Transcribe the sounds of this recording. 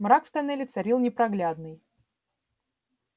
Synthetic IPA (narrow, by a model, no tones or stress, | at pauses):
mrakft̪ɐnɛlʲɪt̪sɐɾʲilˠnʲɪpɾɐɡlʲad̪nɨj